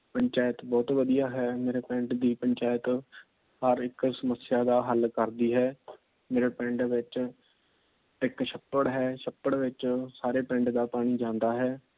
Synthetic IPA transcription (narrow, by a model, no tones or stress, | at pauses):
pəɲt͡ʃaːjɪət̪bɔːt̪ʋəd̪ijaːɦɛːmeːɾeːpɛ̃ːɳʈd̪iːpəɲt͡ʃaːjət̪ | həɾɪksəməsɪjaːd̪aːɦəlkəɾd̪iːɦɛː | meːɾeːpɛ̃ːɳʈʋɪt͡ʃ | ɪkʃəpːəɽɦɛːʃəpːəɽʋɪt͡ʃsaːɾeːpɛ̃ːɳʈd̪aːpaːɽ̃iːd͡ʒãːnd̪aːɦɛː